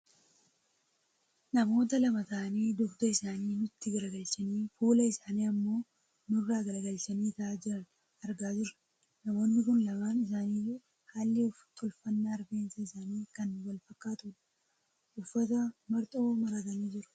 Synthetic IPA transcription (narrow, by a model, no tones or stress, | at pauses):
nɐmo̞ːt̪ɐlɐmɐt̪ɐʔɐniːd̪ʊɡd̪ɐɪsaːniːnʊt̪ːɪɡɐɾɡɐlt͡ʃɐniːfuːlɐɪsaːniːɐmːo̞ː | nʊrːaːɡɐɾɡɐlt͡ʃɐniːt̪ɐaːd͡ʒɪɾɐn | ɐɾɡaːd͡ʒɪɾɐ̥ | nɐmo̞ːnːɪkʊnlɐbaːnɪs̬aːniːju | haːlːɪʊfɐ̥t̪ʰːɔlfɐnːaːɐɾbe̞ːnsɐɪsaːniːkɐnwɐlfɐkːaːt̪ʊᶑɐ | ʔʊfːɐt̪ɐmɐɾt̪ʼoːmɐɾaːt̪ɐneːd͡ʒɪɾʊ̥